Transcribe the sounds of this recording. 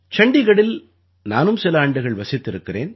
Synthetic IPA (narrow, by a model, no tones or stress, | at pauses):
t͡ʃɐɳɖɪɣɐɭɪl | naːnɯmsɛlaːɳɖɯɣɐɭʋɐsɪt̪ːɪɾɯkːɪrḛːn